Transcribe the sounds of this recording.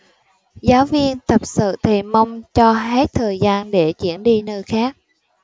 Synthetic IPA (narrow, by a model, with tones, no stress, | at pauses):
zaː˨˦wvi˧ənt̪ə˨˩p̚sɨ̰˧˨t̪ʰi˨˩mə˧wŋ͡mt͡ɕɔ˧ɦe˦˥t̚t̪ʰəː˨˩jzaː˧nɗe˧˩t͡ɕḭ˧˩ənɗi˧nəː˧jxaː˦˥k̚